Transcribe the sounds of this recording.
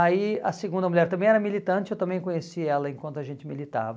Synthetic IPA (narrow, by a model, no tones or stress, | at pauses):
aiɐ̰seɡũnd̪ɐmulʲjɛɾt̪ɐ̃mẽj̃ɛɾɐmilit̪ɐ̃nt͡ʃɪewt̪ɐ̃mbẽj̃kõɲesiɛlɐẽkwɐ̃nt̪ʊɐʒẽnt͡ʃɪmilit̪a̰vɐ